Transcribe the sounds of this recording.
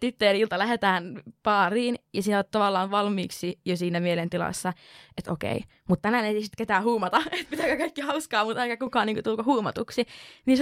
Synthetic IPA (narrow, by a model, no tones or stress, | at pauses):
t̪it̪ːeɑnilt̪ɑlæhet̪æːnpɑːriːnjɑsiːnoːt̪t̪ɑʋɑlːɑːʋʋɑlmiːksijosiːnæmielent̪ilɑ̰sːɑet̪o̰kḛi | mut̪t̪æmæneiisit̪ket̪æːhuːmɑt̪ɑet̪̚pit̪ækækɑikːihɑuskɑːmut̪ɑkækukɑːˑniːŋkut̪ulkohuːmɑt̪uksinis